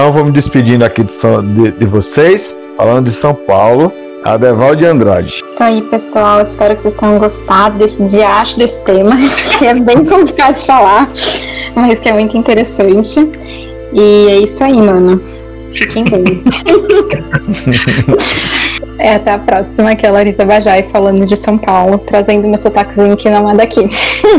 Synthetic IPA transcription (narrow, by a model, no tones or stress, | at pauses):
t̪ɐ̃w̃võmɪd͡ʒ̪ɪspid͡ʒĩnd̪ʊakid̪ɪsɐ̃d̪ɪd̪ɪvosejs | fa̰lɐ̃nd̪ʊd͡ʒɪsɐ̃w̃pawlʊ | a̰d̪ɛvawd͡ʒɪɐ̃nd̪ɾa̰d͡ʒɪsaipesuawɪspɛɾʊkɪ̥sejst̪ẽj̃ɐ̃ɡost̪ad̪ʊd̪esɪd͡ʒiaʃʊd̪esɪ̥t̪ẽmɐkʰɪɛbẽj̃kõplikaɾd͡ʒɪfalaɾ | mɐskɪɛmũj̃t̪ʊĩnt̪eɾesɐ̃nt͡ʃɪ | ɪɛisaimɐ̃nʊ | fikẽj̃bẽj | ɛat̪ɛapɾɔsimɐkialaɾizɐbaʒaɪfalɐ̃nd̪ʊd͡ʒɪsɐ̃w̃pawlʊt̪ɾazẽnd̪ʊmewsot̪akɪzĩɲʊkɪnɐ̃mãd̪akʰi